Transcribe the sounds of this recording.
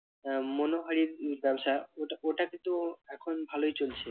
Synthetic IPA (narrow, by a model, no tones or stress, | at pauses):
monoɦaɾiɾbɛbʃaoʈaʔoʈakĩnt̪uɛkʰonbʱalojt͡ɕolt͡ɕʰe